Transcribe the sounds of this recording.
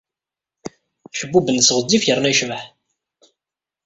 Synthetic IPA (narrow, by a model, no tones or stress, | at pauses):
ʃəbːubənsʁəd̪ːifjəɾˤnæjʃvəħ